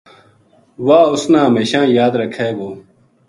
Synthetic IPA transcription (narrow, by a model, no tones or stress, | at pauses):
waːʊsnãːɦɐmeːɕãːjaːd̪ɾɐkʰeːɡoː